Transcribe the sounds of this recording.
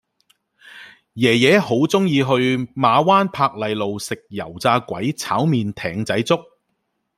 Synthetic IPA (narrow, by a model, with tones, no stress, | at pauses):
jɛː˨˩jɛː˨˧˥ho˨˥wt͡sʊ˥ŋjiː˧ɦɵ˧ɥmaː˨˧waː˥npʰaː˧k̚lɐ˨jlo˨wsɪ˨k̚jɐ˨˩wt͡saː˧kʷɐ˨˥jt͡sʰa̰ː˨˥wmiː˨nt̪ʰɛː˨˩ŋt͡sɐ˨˥jt͡sʊ˥k̚